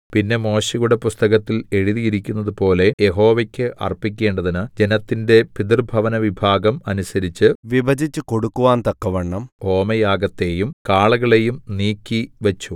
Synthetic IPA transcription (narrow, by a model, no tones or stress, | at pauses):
pinːe̞mo̞ːɕɐjuɽe̞pust̪ɐɣɐt̪ːile̞ɻiðijiɾikʲːunːɐðupo̞ːle̞jeɦo̞ːʋɐkʲːɨʔɐ̰rpik̬ʲːe̞ːɳɖɐðinɨd͡ʑe̞nɐt̪ːinde̞pid̪irbʱɐʋɐnɐʋibʱaːɡɐmɐnusɐɾit͡ɕːɨʋibʱɐd͡ʑʱit͡ɕːɨkoɽukːuʋaːnt̪ɐkːɐʋɐɳːɐmo̞ːmɐjaːɡɐt̪ːe̞ːjumkaːɭɐɣɐɭe̞jumniːkʲːiʋɐt͡ɕːu